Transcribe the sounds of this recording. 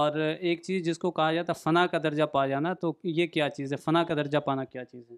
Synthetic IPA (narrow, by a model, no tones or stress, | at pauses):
ɔːɾeːk̚t͡ʃiːzd͡ʒɪskokɐɦad͡ʒaːt̪afɐnakad̪ɐɾd͡ʒapaːd͡ʒaːnat̪ojekjaːt͡ʃiːzɦɛ̃ːfɐnakad̪ɐɾd͡ʒapaːnakjaːt͡ʃiːzɦɛ̃ː